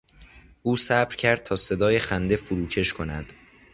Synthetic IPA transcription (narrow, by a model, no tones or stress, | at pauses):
ʔuːsæbɾcʰæɾd̪̥̚t̪ʰɒːse̞d̪ɒːjexænd̪e̞fuɾuːcʰe̞ʃkʰo̞næd̪̥